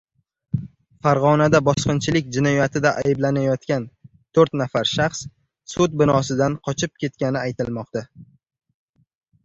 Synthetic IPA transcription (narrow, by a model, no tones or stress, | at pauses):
faɾʁɒnad̪abɒsqɨnt͡ʃʰɪlɪkʲd͡ʒɪnɒjat̪ʰɪd̪aʔa̰jɪblanajɒt̪kʲan | t̪ʰoɾt̪nafaɾʃaχs | sʊt̪̚bɪnɒsɪd̪anqʰɒt͡ʃʰɪp̚kʲʰe̞t̪̚kʲanɪajt̪ɪlmɒqt̪a